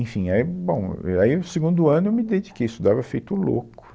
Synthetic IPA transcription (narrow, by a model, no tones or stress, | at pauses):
ẽfĩaibõw̰̃aiseɡũnd̪ʊɐ̃nʊewmɪd̪ed͡ʒikejisʊd̪avɐfejt̪ʊʊlo̰kʊ̥